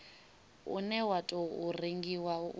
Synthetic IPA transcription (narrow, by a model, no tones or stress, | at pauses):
ṵnɛwatʼɔuriŋɡiwa